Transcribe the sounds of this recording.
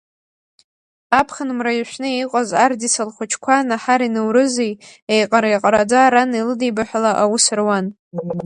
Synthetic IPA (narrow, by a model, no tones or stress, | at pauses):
apʰχanmrajʃʷᶣnɨejqʷʼazardisalχʷʊt͡ʃʰkʷʰanaħaɾinɨwɾɨzejejqʼaɾajqʼaɾad͡zaɾanilɨdijbaħʷᶣalaʔawʊsɨrwan